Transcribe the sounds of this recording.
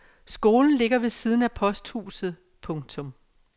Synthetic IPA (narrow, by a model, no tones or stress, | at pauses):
sɡ̥o̝ːln̩le̝ɡ̥ɐʋe̝siːð̞ˠn̩æpʰɒ̽sd̥hṵːsð̞̩ˠ | pʰɔ̽ŋt͡sʰɔ̽m